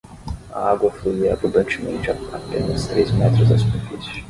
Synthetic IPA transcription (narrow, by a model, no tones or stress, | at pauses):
ɐ̰aɡwɐfluiɐbud̪ɐ̃nt͡ʃɪmḛ̃nt͡ʃɪapḛ̃nɐst̪ɾejzmɛt̪ɾʊzɐsu̥peɾfisjʊʊ